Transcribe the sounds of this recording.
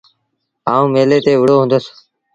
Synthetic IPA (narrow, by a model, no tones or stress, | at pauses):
aːũːmeːleːt̪eːʋɪɽoːɦʊ̃ːnd̪əs